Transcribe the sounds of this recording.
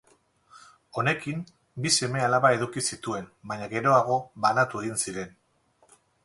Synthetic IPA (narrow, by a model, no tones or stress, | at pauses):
o̞ne̞kim | bise̞me̞alaβae̞ðukisit̪ue̞nbaɲaɣe̞ɾo̞aɣ̞o̞βanat̪ue̞ɣinsiɾe̞n